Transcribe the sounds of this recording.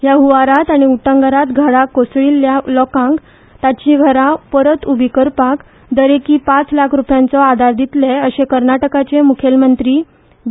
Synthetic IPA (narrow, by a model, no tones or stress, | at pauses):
jaɦuʋaɾat̪aɽ̃iuʈə̃ŋɡəɾat̪ɡʱəɽakosɭilːjalɔkãŋk | t̪at͡ɕiɡʱəɾapəɾət̪ubʱikəɾpak | d̪əɾekiːpat͡slakʰɾupjãnt͡sɔad̪ʱaɾd̪it̪leəɕekəɾnaʈəkat͡ɕemukʰelmənt̪ɾiː